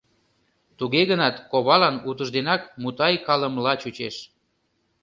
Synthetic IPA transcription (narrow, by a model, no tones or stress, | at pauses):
t̪uɣeɣənɑt̪koβɑlɑnut̪əʒd̪enɑkmut̪ɑjkɑləmlɑt͡ɕut͡ɕeʃ